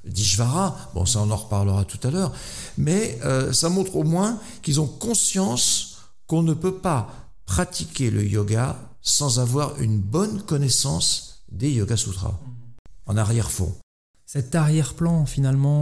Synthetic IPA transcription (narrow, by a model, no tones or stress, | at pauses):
d̪iʒvaʁabɔ̰̃saɔ̃nɑ̃ʁpaʁləʁat̪u̥t̪alœːʁmɛøsamɔ̃t̪χomwɛ̃ | kilzɔ̃kɔ̃sjɑ̃s | kɔ̃nəpøpa | pχat̪ikʲelə̰jɔɡa | sɑ̃zavwaʁy̰nbɔnkɔnɛsɑ̃sd̪ejɔɡasut̪χa̰ | ɑ̃naʁjɛʁfɔ̰̃ | sɛt̪aʁjɛʁplɑ̃finalmɑ̃